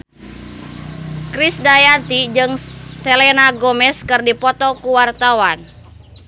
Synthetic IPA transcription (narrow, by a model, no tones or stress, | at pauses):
kɾisdajat̪id͡ʒɨŋsɛlɛnaɡɔmɛskɨrdipɔt̪ɔkuwart̪awan